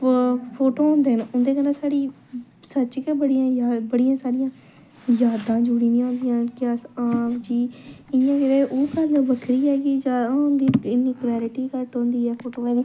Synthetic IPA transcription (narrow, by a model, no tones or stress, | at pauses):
pʰoːʈoːɦʊ̃nd̪eːɦənʊ̃nd̪eːkənasaːɽiː | sət͡ʃkebəɽijãːjabəɽijãːsaːɾɪjãː | jaːd̪ãːd͡ʒuːɽiːnĩõːnd̪ijãːkɪaːsaːmd͡ʒiːɪjãːd͡ʒɪɾeːʔuːpʰaːloʋəkʰɾiːɛːɡiːd͡ʒaːnd̪iːɪnːiːklɛːɾɪʈiːkəɾʈɦõːnd̪iːɛːpʰoːʈoːɛ̃ːd̪iː